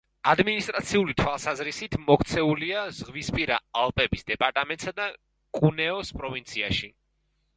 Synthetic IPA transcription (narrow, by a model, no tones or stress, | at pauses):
ad̪minist̪ʼɾat̪sʰiulit̪ʰwalˠsazɾisit̪ʰmɔkʰt̪sʰɛuliazʁwispʼiɾaːlˠpʼɛbisd̪ɛpʼaɾt̪ʼamɛnt̪ʼsad̪a | kʼunɛɔspʼɾɔvint̪sʰia̰ʃi